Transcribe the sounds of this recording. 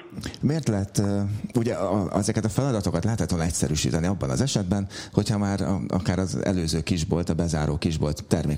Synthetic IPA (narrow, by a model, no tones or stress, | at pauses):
meːrt̪lɛɦɛt̪ːuɟɛʔɛzɛkɛt̪ɒfɛlɒd̪ɒt̪o̞kɒt̪lɛɦɛt̪hɛt̪ʋolnɛcsɛ̰ɾyːʃḭːt̪ɛniɒbːɒnɒ̰zɛʃɛd̪bɛnho̞chɒmaːɾ̰ɒ̰kaːɾɒzɛ̰løːzøːkiʒbolt̪ɒbɛzaːɾoːkiʒbo̞lt̪ːɛrmeːk